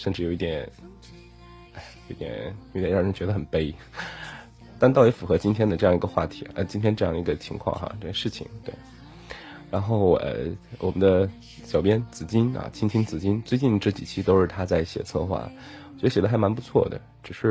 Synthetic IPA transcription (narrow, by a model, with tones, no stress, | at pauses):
ʂə˥˧nʈ͡ʂɻ̩˥˩o˨˩ʊi˥˩t̪jɛ˨˩˦n | a˩jo˧˩˥t̪jɛ̰˨˩˦njjʊ˥ɛ˨˧ɻ̩˥˩˧t͡ɕɥɛ˧˥d̪ə˧xə˨˩npe˥ɪ | t̪a˥˧nt̪ɑ˥˩ʊjfu˨˩xɤ˧˥t͡ɕi˥nt̪ʰjɛ˥nd̪ə˧ʈ͡ʂɤ˥˧jɑ˥˩ŋi˧˥ɡə˧xwa̰˥˩t̪ʰi̥̰˧˥ə˧t͡ɕi˥nt̪ʰjɛ˥nʈ͡ʂɤ˥˧jɑ˥˩ŋd̪ə˩˧˥ɡə˧t͡ɕʰi˧˥ŋkʰwɑ̰˥˧ŋxa̰˧ʈ͡ʂɤ˥˧˩jɛ˥nʂɻ̩˥˩t͡ɕʰḭ˨˩ŋt̪we˥˩ɪ | ɻa˧˥nxo˥˩ʊə̰˧˩wʔɔ̰˨˩mə˦nd̪ə˧ | ɕjɑ˨˩ʊpjɛ˥nt͡sɹ̩˨˩t͡ɕi˥nɐ̰˨˩t͡ɕʰi˥ŋt̪ʰi˥ŋt͡sɹ̩˨˩t͡ɕi˥nt͡swe˥˧ɪt͡ɕi˥˩nʈ͡ʂɤ˥˩t͡ɕi˨˩t͡ɕʰi˥t̪o˥ʊʂɻ̩˥˩t̪ʰa˥t͡sa˥˩ɪɕjɛ̰˨˩t͡sʰɤ˥˧xwa̰˥˩ | wt͡ɕɛ˧˥də˥ɕɛ˨˩d̪ə˥a˧˥ɪma˧˥npu˧˥t͡sʰwɔ̰˥˩d̪ə̰˩ | ʈ͡ʂɻ̩˨˩ʂɻ̩˥˩